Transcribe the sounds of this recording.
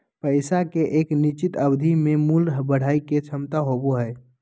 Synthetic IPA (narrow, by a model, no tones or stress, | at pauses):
pəɪsakeʔeːknit͡ʃit̪əbd̪ʱimẽmulɦbəɽ̤aːiket͡ʃʰəmt̪aɦoboɦə